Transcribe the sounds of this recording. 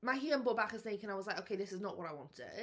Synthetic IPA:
maɪɦiə̃nbʊbakɪz̥θẽɪkə̃ñaɪwɒzlaɪkoʊkʰeɪðɪsɪznəʔwɒɾaɪwɒ̰̃ntʰə̰

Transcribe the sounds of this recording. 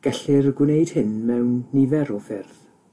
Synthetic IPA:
ɡ̥ɛɬɪrɡwɪnejd̥hɪnmɛwnːɪvɛɾɔfɪrð̥

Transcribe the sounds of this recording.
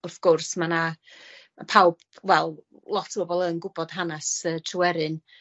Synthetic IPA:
ɔfɡ̥ʊrsmana | apʰawb̥wɛlˠ | lˠɔtʰbobɔlˠənɡʊbɔd̥ɦanɛsətʰrwɛɾɨn

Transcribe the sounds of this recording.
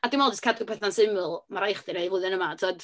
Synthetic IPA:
adɪnmɔlˠdəskʰadɨpʰɛθnansɪməlˠmaɾajχdɨnaivʊɨðɨnəmatʰoːd̥

